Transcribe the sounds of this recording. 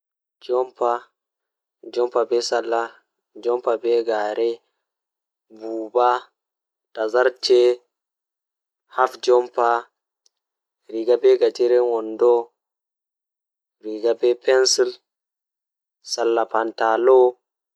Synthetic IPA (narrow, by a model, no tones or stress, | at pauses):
d͡ʒɔmpa | d͡ʒɔmpabɛsalːa | d͡ʒɔmpabɛɡaɾɛ | buːba | tazaɾt͡ʃɛ | hafd͡ʒɔmpa | ɾiɡabɛɡatiɾɛwɔndɔ | ɾiɡabɛpɛnsil | salːapantalɔ